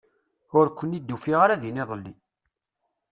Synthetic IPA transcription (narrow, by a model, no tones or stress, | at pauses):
ʊɾkʷːənid̪ːufiʁaɾæðiniðˤəlːi